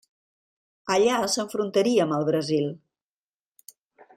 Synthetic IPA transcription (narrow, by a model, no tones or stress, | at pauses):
əʎaəsəɱfɾunt̪əɾiəməlˠβɾəzilˠ